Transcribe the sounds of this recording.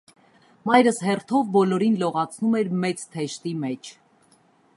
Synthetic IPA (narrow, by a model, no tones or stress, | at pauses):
mɑjɾəsɦɛrt̪ʰɔvbɔlɔɾinlɔʁɑt͡sʰnumɛɾmɛt͡st̪ʰɛʃt̪imɛt͡ʃʰ